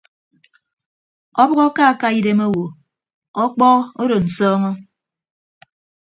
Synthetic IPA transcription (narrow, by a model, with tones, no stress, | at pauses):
ɔ˦bɔ˦ɣɔ˦ka˦˨ka˦i˦de˦mo˦wo˨ | ɔ˦k͡pɔ˦o˦do˨n̩˨sɔː˦ŋɔ˦